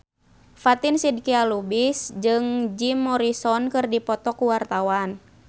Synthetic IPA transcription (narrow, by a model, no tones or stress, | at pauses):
fat̪insid̚kialubisd͡ʒɨŋd͡ʒimːɔɾisɔnkɨrdipɔt̪ɔkuwart̪awan